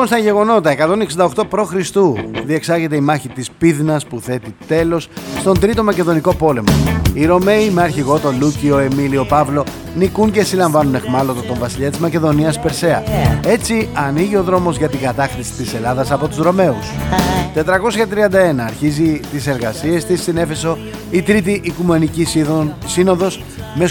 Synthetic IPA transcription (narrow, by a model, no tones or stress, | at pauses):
iponst̪ɐʝe̞ɣo̞no̞t̪ɐe̞kɐt̪o̞neksind̪ɐo̞xt̪o̞pɾo̞xɾist̪uðie̞ksɐʝe̞t̪e̞imɐçit̪ispiðnɐspuθe̞t̪it̪e̞lo̞sst̪o̞nd̪ɾit̪o̞mɐce̞ðo̞niko̞po̞le̞mo̰iɾo̞me̞imeɐɾçiɣo̞t̪o̞lucio̞e̞milio̞pɐvlo̞ | nikunce̞silɐɱvɐnune̞xmɐlo̞t̪ot̪o̞ɱvɐsiʎɐt̪izmɐce̞ðo̞niɐspe̞ɾse̞ɐe̞t͡siɐniʝio̞ðɾo̞mo̞zʝɐt̪iɡɐt̪ɐxt̪isi̥t̪ise̞lɐðɐsɐpo̞t̪uzɾo̞me̞ust̪e̞t̪ɾɐko̞sçɐt̪ɾiɐnd̪ɐe̞nɐːɾçizit̪ise̞ɾɣɐsie̞st̪isine̞fe̞so̞ | it̪ɾit̪̬iʔːkume̞nicisino̞ðo̞s | me̞